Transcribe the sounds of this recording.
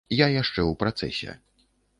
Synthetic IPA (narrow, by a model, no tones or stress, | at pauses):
jajaʂt͡ʂɛwpɾat̪sɛ̰sʲɛ̰